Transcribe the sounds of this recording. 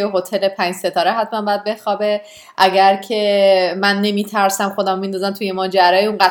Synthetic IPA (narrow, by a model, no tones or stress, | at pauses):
jeɦot̪ʰelepʰæɲd͡ʒse̞t̪ʰɒːɾeɦæt̪̚ʰmænbɒjæd̪̚be̞xɒːbe | ʔæɡæɾcʰe̞mænːe̞miːt̪ʰæɾsæmxo̞d̪æmomind̪ɒːzæmt̪ʰujemɒːd͡ʒæɾɒːjeuŋɢæ